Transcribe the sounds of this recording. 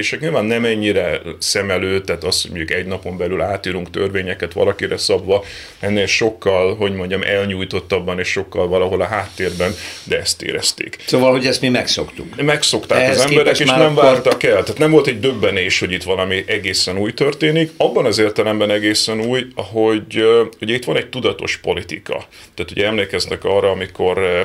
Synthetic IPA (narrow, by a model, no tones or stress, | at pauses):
eːʃɛkɲilvaːnːɛmɛɲːiɾɛsɛmɛløːt̪ːaːt̪ɒshoɟmoɟukɛɟnɒpo̞mbɛlylaːt̪iːɾuŋkt̪ørveːɲɛkɛt̪ʋɒ̰lɒkiɾɛsɒbvɒ | ɛnːeːlʃo̞kːɒlɦo̞ɟmo̞ɲɟɒmʔɛlɲuːjt̪o̞t̪ːɒbːɒneːʃʃo̞kːɒlvɒlɒɦo̞lɒɦaːt̪ːeːrbɛnd̪ɛɛst̪ḛːɾɛ̰st̪ḛːksoːvɒlɦoɟɛst̪mimɛksokt̪ukmɛkso̞kt̪a̰ːkɒzɛmbɛɾɛkeːʃnɛmvaːrt̪ɒkɛlt̪aːt̪nɛmvo̞lt̪ɛɟd̪øbːɛneːʃho̞ɟit̪ʋɒlɒmiʔɛɡeːsɛnuːjt̪ø̞rt̪eːnikɒbːɒnɒzeːrt̪ɛlɛmbɛnɛɡeːsɛnuːjɒɦo̞ɟhoɟɛit̪ʋɒnɛc̚t̪ud̪ɒt̪o̞̰ʃpo̞lit̪ḭkɒ̰ | t̪aːt̪hoɟɛɛmleːkɛznɛkɒːrːɒɒmikʰo̞r